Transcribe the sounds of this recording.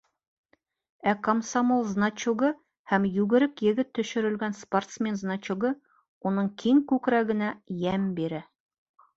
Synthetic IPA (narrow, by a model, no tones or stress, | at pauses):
ækomsamolˠznat͡ɕuɡɤ | hæmjʉɡɘ̆ɾɘkjɘ̆ɡɘt̪ːɵ̆ʃɵ̆ɾɘ̆lɡænsport̪smʲe̞nznat͡ɕuɡɤ | unɤɴkʰiŋkʉkɾæɡɘ̆næjæmbiɾɘ